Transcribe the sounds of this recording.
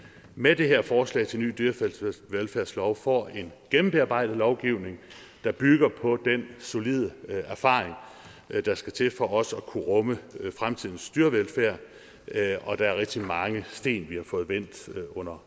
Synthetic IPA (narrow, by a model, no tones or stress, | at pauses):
med̥e̝ɦeɐ̰fɒːslɛ̰ɪt͡sʰe̝lny̰ːd̥yɐfʋelfæɐ̰slɒʊfɒ̰e̝nɡ̥emm̩b̥eɑ̈b̥ɑ̈ɪ̰d̥ð̩ˠlɒʊɡ̥iʊne̝ŋ | d̥ɑ̈b̥yɡ̥ɐpʰɒ̽d̥enso̝liːð̞ˠəæɐfɑ̰̈ːʁeŋ | d̥ɑ̈sɡ̥æt͡sʰe̝fɒ̽ʔɒ̽səɒ̽kʰuʁɔ̽məfʁamt͡sʰið̰ˠn̩sd̥yːɐʋelfæɐ̰ | ɒ̽d̥ɑ̈æɐʁɛɡ̥̚d̥imɑ̈ŋəsd̥e̝̰ːnʋihɑ̈fɔ̽ːð̞̩ˠʋen̰d̥ɔ̽n̰ɐ